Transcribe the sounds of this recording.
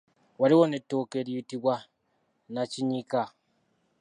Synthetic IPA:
waɾiwonetːokeɾitiβwa | nat͡ʃiɲika

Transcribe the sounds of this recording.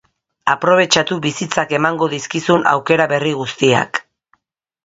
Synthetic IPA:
apɾo̞β̞e̞t͡ʃat̪uβisit͡sake̞maŋɡo̞ðiskisuna̰wke̞ɾaβe̞riɣ̞ust̪ia̰k

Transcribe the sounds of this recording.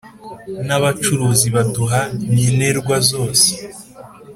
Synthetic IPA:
naβat͡ʃuɾuːziβatuɦaɲineɾɡwazo̞ːse̥

